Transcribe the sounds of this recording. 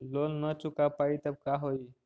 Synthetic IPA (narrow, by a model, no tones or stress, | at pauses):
lolnət͡ʃukapait̪əb̚kaɦoj